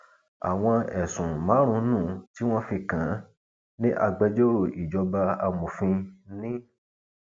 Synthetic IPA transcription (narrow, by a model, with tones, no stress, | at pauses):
a̰˨w̃ɔ̃˧ɛ˨sũ˨mã˨˦ɾ̃ũ˧˦nũ˦˨ti˦w̃ɔ̃˦fi˧kã˨˦ | nĩ˦ʔa˧ɡ͡bɛ˧d͡ʒo˦ɾo˦˨ʔi˨d͡ʒɔ˧ba˧a˧mũ˨fĩ˧nĩ˦